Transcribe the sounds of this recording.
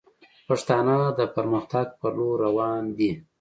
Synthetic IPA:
paʂt̪ɑnad̪əpəɾməxt̪aɡ̚pəɾloɾːawɑnd̪i

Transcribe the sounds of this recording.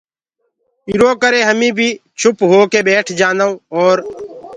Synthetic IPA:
ɪɾoːkəɾeːɦəmĩːbʱiːt͡ʃʰʊpɦoːkeːbɛːʈʰd͡ʒaːnaõɔːɾ

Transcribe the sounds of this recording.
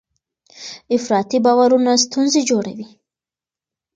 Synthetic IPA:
ɪfɾɑt̪ibɑwaɾunas̬t̪unzed͡ʒoɽa̰wi

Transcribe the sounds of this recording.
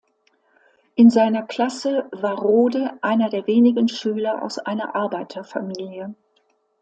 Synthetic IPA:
ʔɪnzaɪnɐkl̥asəvaːɐʁoːdəʔaɪnɐdeːɐveːnɪɡən̩ʃyːlɐʔa̰ʊsʔa̰ɪnɐ̰ʔaɐbaɪtʰɐfamiːljə

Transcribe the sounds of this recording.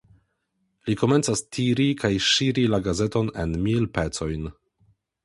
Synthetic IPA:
likome̞nt͡sastʰiɾikʰajʃiɾilaɡaze̞to̞ne̞nmilpet͡so̞jn

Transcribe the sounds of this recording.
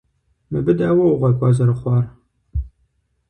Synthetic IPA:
mɨbɨdaːwɐwʊʁʷɐkʷʼɑzɐɾɨχʷɑːr

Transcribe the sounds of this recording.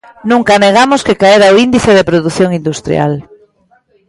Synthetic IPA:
nũŋkaneɣamʊskekaeɾaoind̪iθeðepɾoðuθjoŋind̪ust̪ɾj̰a̰l

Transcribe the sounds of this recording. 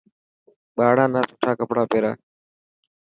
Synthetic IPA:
ɓaːɽãːnãːsʊ̥ʈʰːaːkəpɽaːpeːɾaː

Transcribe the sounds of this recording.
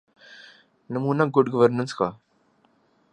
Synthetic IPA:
nəmuːnaɡʊɖɡəʋəɾnənskaː

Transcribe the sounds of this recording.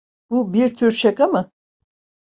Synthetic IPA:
b̥ubiɾt̪ʰyɾʃekamɯ

